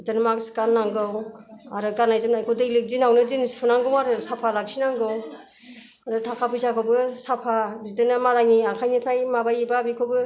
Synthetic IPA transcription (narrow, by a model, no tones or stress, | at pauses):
itanɯmaksi̥kanːaŋɡɯw | aɾɯɡanajzɯmnajkʰodɯklek̚zinawnɯzinisi̥pʰunaŋɡɯwaɾɯsapʰalak̚sinaŋɡɯw | aɾɯtʰakʰapʰɯjzakʰɔbɯsapʰabidɯnɯmalaŋiakʰajnipʰajmabajibabikʰobɯ